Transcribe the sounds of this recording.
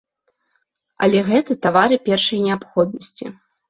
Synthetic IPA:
ɐ̰lʲɛɣɛt̪ɨt̪avaɾɨpʲɛrʂɐjnʲɛapxɔd̪̚nɐsʲt͡sʲḭ

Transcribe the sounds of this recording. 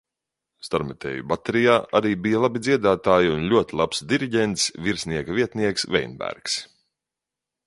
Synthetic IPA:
st̪aɾmɛt̪ʲɛ̰ːjubat̪eɾijaːʔaɾiːbijalˠabid̪zʲiɛd̪aːt̪aːjiunʎʲuɔt̪ʲilˠapsd̪iɾiɟʲɛnt̪sviɾsniɛkaviɛt̪niɛksvɛjnbæ̰ɾks

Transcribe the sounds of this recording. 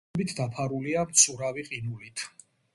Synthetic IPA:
bit̪ʰd̪apʰaɾuliamt̪sʰʼuɾaviqʼinulit̪ʰ

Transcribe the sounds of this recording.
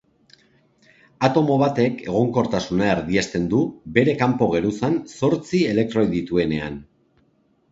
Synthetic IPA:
at̪o̞mo̞β̞at̪e̞ke̞ɣ̞o̞ŋko̞ɾt̪asunaeɾðiest̪e̞nd̪ube̞ɾe̞kampo̞ɣ̞e̞ɾusanso̞ɾt͡sie̞le̞k̚t̪ɾojðit̪ue̞ne̞a̰n

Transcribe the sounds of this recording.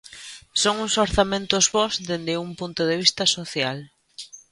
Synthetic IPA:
soŋusoɾθamẽnt̪ʊzβɔzðend̪ɪumpunt̪ʊðeβ̞ist̪ɐsoθjal

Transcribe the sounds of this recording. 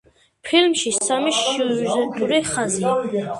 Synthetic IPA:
pʰilmʃisamiʃʃuzɛnt̪ʼuɾiχazia

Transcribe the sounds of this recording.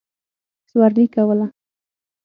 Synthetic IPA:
swaɾlikawala

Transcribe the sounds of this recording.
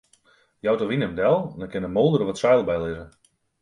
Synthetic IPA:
jawtoʋinəmdɛlˠndɔkɪnəmoːlˠdəɾəʋɔtsajlˠbɛjlɪzə

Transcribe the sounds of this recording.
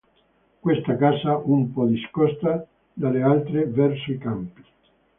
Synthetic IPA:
kwest̪akaːsaumpɔd̪iskɔst̪a | d̪alealt̪ɾevɛrsoikampi̥

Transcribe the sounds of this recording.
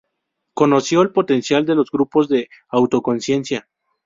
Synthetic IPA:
ko̞no̞sjo̞elpo̞t̪e̞nsjald̪e̞lo̞zɡɾupo̞zðe̞awt̪o̞ko̞nsje̞nsja

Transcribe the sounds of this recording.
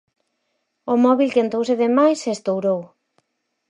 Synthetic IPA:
omɔβilkent̪owseðemajsest̪owɾow

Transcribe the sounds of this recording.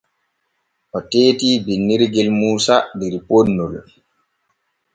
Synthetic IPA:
ʔɔteːtiːbinːiɾɡɛlmuːsadiɾiponːul

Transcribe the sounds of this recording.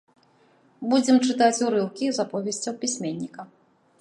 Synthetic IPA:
bud͡zʲɛmt͡ʂɨt̪at͡sʲuɾɨwkʲizapɔvʲɛsʲt͡sʲɐwpʲisʲmʲenʲːikɐ

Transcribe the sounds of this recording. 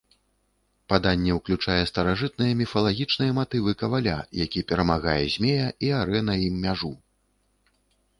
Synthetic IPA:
pad̪anʲːɛwklʲut͡ʂajɛst̪ɐɾaʐɨt̪̚nɨjɐmʲifɐlˠaɣʲit͡ʂnɨjɐmat̪ɨvɨkɐvalʲa̰jakʲipʲɛɾɐmaɣajɛzʲmʲejɐʔiaɾɛnɐimːʲaʐu

